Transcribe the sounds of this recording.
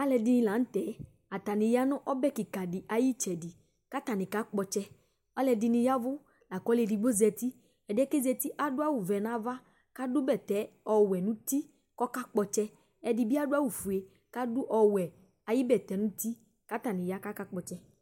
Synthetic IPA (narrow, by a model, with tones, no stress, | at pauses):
a˦lɛ˧di˧nĩ˧la˨˦n̩˦t̪ɛ˨˦ | a˨t̪a˨nĩ˨ja˦nʊ̃˦ʔɔ˦bɛ˦ki˨ka˨di˨ʔa˨ji˦t͡ʃɛ˨di˨ | ka˦t̪a˨nɪ̃˨ka˦k͡pɔ˧t͡ʃɛ˦ | ɔ˦lɛ˧di˧nĩ˧ja˦vʊ˦ | la˨kɔ˨˦le˧ɖi˨ɡ͡bo˦zɛ˧t̪i˦ | ɛ˨dɛ˦ke˦zɛ˧t̪i˦ʔa˦dʊ˦a˦wu˨vɛ˨nã˨˦va˦ | ka˦dʊ˦bɛ˦˨t̪ɛ˨˦ɔ˨wɛ˨nũ˦t̪i˦ | kɔ˦ka˦k͡pɔ˧t͡ʃɛ˦ | ɛ˨di˨bi˦a˦da˦wu˨fu˨e˨ | ka˦dʊ˦ʔɔ˨wɛ˨ | a˨ji˦bɛ˨t̪ɛ˨˦nũ˦t̪i˦ | ka˦t̪a˨nĩ˨ja˦ka˦ka˦k͡pɔ˨t͡ʃɛ˦